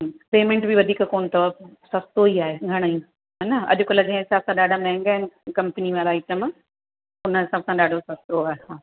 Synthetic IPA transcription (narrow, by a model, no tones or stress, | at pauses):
peːmẽɳʈbiʋɐd̪ʱiːkkoːnt̪ɐʋəbsɐst̪oiaːɦeɡʱɐɽ̃ĩ | ɦɐnɐɐ̰ʄʊkɐlɐɡẽɦɪsaːbsãɗaːɖʱamɛ̃ːŋɡaɦɪnkɐ̃mpəniʋaɾaːiːʈəm | ʊnəɦɪsaːbsãɗaːɖʱosɐst̪oaːɦehãː